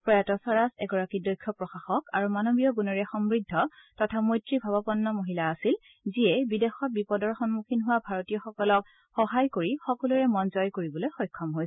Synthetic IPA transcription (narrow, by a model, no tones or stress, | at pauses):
pɹɔjatɔsɔɹasɛɡɔɹakidɔjkʰːɔpɹɔxaxɔkaɹumanobijɔɡunɔɹɛxɔmɹidʱːɔtɔtʰamojtɹibʱabɔpɔnːɔmoɦilaːsil | ziɛbidɛxɔt̚bipɔdɔɹxɔnmukʰinɦʊwabʱaɹɔtijɔxɔkɔlɔk̚ | xɔɦajkoɹixɔkɔluɹɛmɔnzɔjkoɹibɔlojxɔjkʰːɔmɦojsɛ